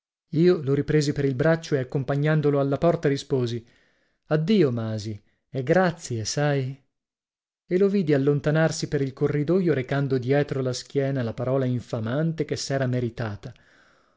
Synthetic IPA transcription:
iːoloɾipɾeːzipeɾilbɾat͡ʃːoeakːompaɲːand̪oloalːapɔrt̪aɾispoːzi | ad̪ːiːomaːzi | ɛɡɾat̪sːjesaj | eloviːd̪ialːont̪anarsipeɾilkorːid̪ojoɾekand̪od̪jɛːt̪ɾolask̟jɛːnalapaɾɔːlaiɱfamant̪ekesːɛːɾameɾit̪aːt̪a

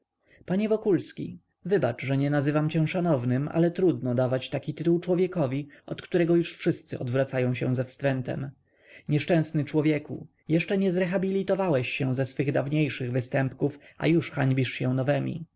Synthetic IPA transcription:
paɲɛvɔkulskʲḭ | vɘbat͡ʂʐɛɲɛnazɘvamt͡ɕɛ̃ʂanɔvnɘma̰lɛt̪ɾud̪nɔd̪avat͡ɕt̪akʲit̪ɘt̪uwt͡ʂwɔvʲjɛkɔvʲiɔt̪kt̪uɾɛɡɔjuʂfʂɘst̪sɘʔɔ̰d̪vɾat̪sajɔ̃w̃ɕɛ̰̃w̃zɛfst̪ɾɛnt̪ɛ̰m | ɲɛʂt͡ʂɛ̃w̃snɘt͡ʂwɔvʲjɛkṵ | jɛʂt͡ʂɛɲɛzɾɛxabʲilʲit̪ɔvawɛɕːɛw̃zɛsfɘɣd̪avɲejʂɘɣvɘst̪ɛmpkufʔa̰juʂxaɲbʲiʂɕɛ̃nɔvɛmʲḭ

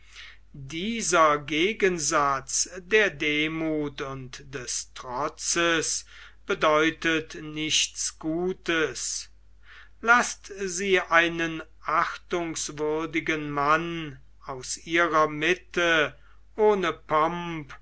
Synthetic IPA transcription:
diːzɐɡeːɡənzat͡sdeːɐdeːmuːtʊntd̥ɛstʁɔt͡səs | b̥ədɔʏtətnɪʃt͡sɡ̥uːtəs | lastziːʔaɪnənʔaχtʊŋsvʏɐdɪɡənman | aʊsʔiːʁɐmɪtə | ʔoːnəpɔmp

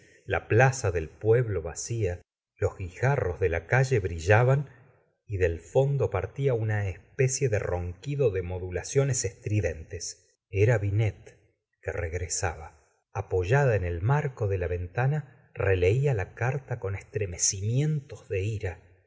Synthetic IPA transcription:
la̰plasaðe̞lpwe̞βlo̞βasia | lo̞zɣixaro̞zðelakaʒe̞βɾiʒaβan | iðe̞lfo̞nd̪o̞paɾt̪iaunaespesje̞ðḛro̞ŋkiðo̞ðe̞mo̞ðulasjo̞nesest̪ɾiðe̞nt̪es | eɾaβinet̪̚ | kereɣɾesaβa | apo̞ʒaðaene̞lmaɾko̞ðe̞laβe̞nt̪ana | rele̞ialakaɾt̪ako̞nest̪ɾe̞me̞simje̞nt̪o̞zðe̞iɾa

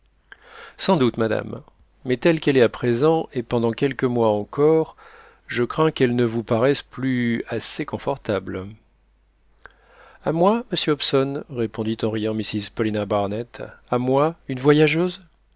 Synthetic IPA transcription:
sɑ̃d̪ut̪mad̪a̰mː | ɛt̪ɛlkɛlɛt̪apχezɑ̃epɑ̃d̪ɑ̃kʲɛlkəmwaɑ̃kʰɔʁ | ʒəkχɛ̃kɛlnəvupaʁɛsplyasekɔ̃fɔʁt̪abl | amwaməsjøɔpsɔnʁepɔ̃d̪it̪ɑ̃ʁijɑ̃misizpɔlinabaʁnɛt̪amwaynvwajaʒøːz

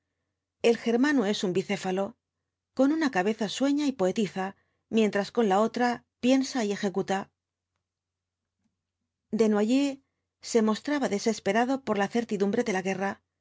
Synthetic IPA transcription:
e̞lxe̞ɾmanoe̞sumbiθe̞falo̞ | ko̞nunakaβe̞θaswe̞ɲaipo̞e̞t̪iθa | mje̞nt̪ɾasko̞nlao̞t̪ɾa | pje̞nsaie̞xe̞kut̪a | d̪e̞nwaʝe | se̞mo̞st̪ɾaβaðe̞se̞spe̞ɾaðo̞po̞ɾlaθe̞ɾt̪iðumbɾe̞ðe̞laɣe̞ra

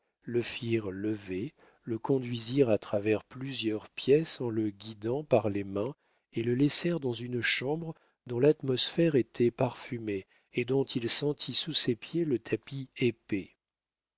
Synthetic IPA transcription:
ləfiʁləve | ləkɔ̃d̪ɥiziʁat̪χavɛʁplyzjœʁpjɛsɑ̃ləɡʲid̪ɑ̃paʁlemɛ̃ | eləlɛsɛʁd̪ɑ̃zynʃɑ̃bʁ | d̪ɔ̃lat̪mɔsfɛʁet̪ʰɛpaʁfymeː | d̪ɔ̃t̪ʰilsɑ̃t̪ʰisusepjelət̪ʰapiepe

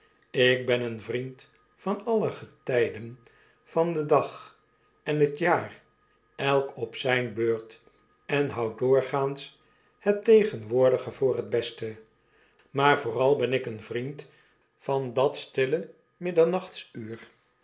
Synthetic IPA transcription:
ɪk̚bɛnənvrint | fɑnɑləχətɛjdən | fɑndədɑχ | ɛnɦətjaːr | ɛlˠkɔpsɛjnbøːɹt | ɛnɦɑwdʊːɹχaːns | hətejχənʋʊːɹdəχəvʊːrəd̚bɛstə | maːɹvʊːrɑlˠbɛnɪkənvrint | fɑndɑtstɪlə | mɪdəɹnɑχtsyːr

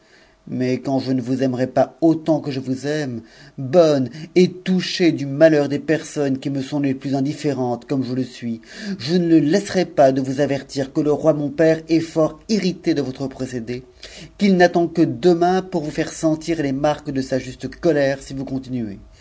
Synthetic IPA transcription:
mɛkɑ̃ʒənəvuzɛmʁɛpaot̪ɑ̃kəʒəvuzɛmbɔnet̪uʃed̪ymalœʁd̪epɛʁsɔnkʲiməsɔ̃leplyzɛ̃d̪ifeʁɑ̃t̪kɔmʒələsɥiʒənələlɛsʁɛpad̪əvuzavɛʁt̪iʁkələʁwamɔ̃pɛʁɛfɔʁiʁit̪ed̪əvɔt̪χəpχɔsed̪e | kilnat̪ɑ̃kəd̪əmɛ̃puʁvufɛʁsɑ̃t̪iʁlemaʁkd̪əsaʒyst̪əkɔlɛʁsivukɔ̃t̪inye

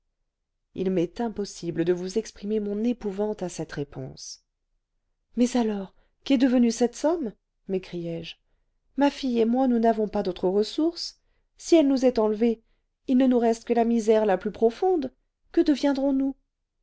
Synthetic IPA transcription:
ilmɛt̪ɛ̃pɔsibləd̪əvuzɛkspχimemɔ̃nepuvɑ̃t̪asɛt̪ʁepɔ̰̃s | mɛzalɔʁ | kʲɛd̪əvənysɛt̪sɔm | mekχijɛʒ | mafijemwanunavɔ̃pad̪ot̪χəʁəsuʁs | siɛlnuzɛt̪ɑ̃lve | ilnənuʁɛst̪kəlamizɛʁlaplypχɔfɔ̃d̪ | kəd̪əvjɛ̃d̪ʁɔ̃nu

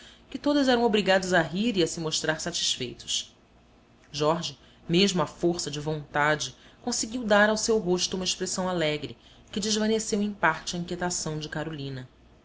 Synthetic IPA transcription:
kɪt̪od̪ɐzɛɾɐ̃w̃obɾiɡad̪ʊzɐɦiɾiɐsɪmoʃt̪ɾaɾsat͡ʃi̥ʃfejt̪ʊ̥s | ʒɔɾʒɪ | meʒmʊɐfoɾsɐd͡ʒɪvõnt̪ad͡ʒɪkõsɪɡʲiwd̪aɾawsewɦoʃt̪ʊumɐeʃpɾesɐ̃w̃alɛɡɾɪ | kɪd͡ʒɪʒvɐnesewẽj̃paɾt͡ʃɪɐĩŋkʲet̪asɐ̃w̃d͡ʒɪkaɾolĩnɐ

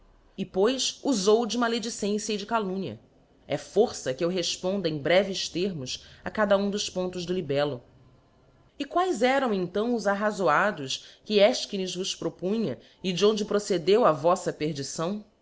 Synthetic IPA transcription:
ɪpojsuzowd͡ʒɪumɐaled͡ʒisẽsjɐɪd͡ʒɪkalũɲɐ̰ | ɛfoɾsɐkɪewɦeʃpõnd̪ɐẽj̃bɾɛvɪʃt̪eɾmʊsakad̪ɐũd̪ʊspõnt̪ʊzd̪ʊlibɛlʊ | ɪkwajzɛɾɐ̃w̃ẽnt̪ɐ̃w̃ʊzaɦazoad̪ʊskɪɛʃkinɪzvʊspɾopũɲɐ | ɪd͡ʒɪõnd͡ʒɪpɾosed̪ewɐvɔsɐpeɾd͡ʒisɐ̃w̃

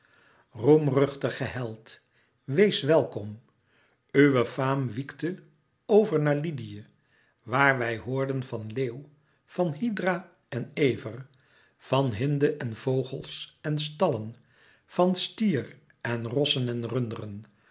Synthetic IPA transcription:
rumrɵχtəχəɦɛlˠt | ʋejsʋɛlˠkɔm | yʋəfaːmʋiktə | owvəɹnaːɹlidijə | ʋaːɹʋɛjɦʊːɹdənvɑnleːw | v̥ɑnɦidra | ɛnejvər | v̥ɑnɦɪndəʔɛnv̥owχəlˠsɛns̬tɑlən | v̥ɑnstiːr | ɛnrɔsənɛnrɵndərən

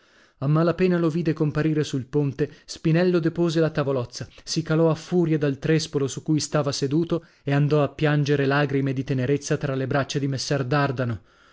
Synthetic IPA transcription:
amːalapɛːnaloviːd̪ekompaɾiːɾesulpont̪espinɛlːod̪epoːzelat̪avolɔt̪sːasikalɔafːuːɾjad̪alt̪ɾespolosukːujst̪aːvased̪uːt̪o | eand̪ɔapːjand͡ʒeɾelaːɡɾimed̪it̪eneɾet̪sːat̪ɾalebɾat͡ʃːad̪imesːɛrd̪ard̪ano

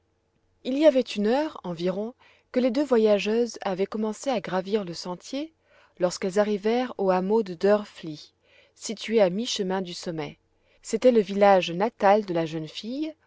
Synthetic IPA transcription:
iliavɛt̪ynœʁɑ̃viʁɔ̃ | kəled̪øvwajaʒøzavɛkɔmɑ̃seaɡʁaviʁləsɑ̃t̪je | lɔʁskɛlzaʁivɛʁoamod̪əd̪œʁfli | sit̪ɥeamiʃəmɛ̃d̪ysɔmɛ | set̪ɛləvilaʒnat̪ald̪əlaʒœnfij

